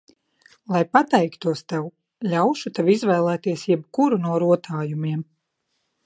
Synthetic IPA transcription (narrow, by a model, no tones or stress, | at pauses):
lˠajpat̪ɛjkt̪uɔst̪ɛw | lʲawʃut̪ɛvizvɛːlˠɛːt̪iɛsjɛbkuɾunuɔɾuɔt̪ʰaːjumiɛm